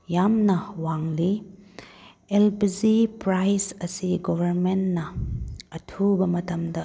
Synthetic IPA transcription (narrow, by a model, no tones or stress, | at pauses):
jamnɐwaŋli | elpizipɾajsɐsiɡobʱɐɾmennɐː | tʰubɐmɐtɐmdɐ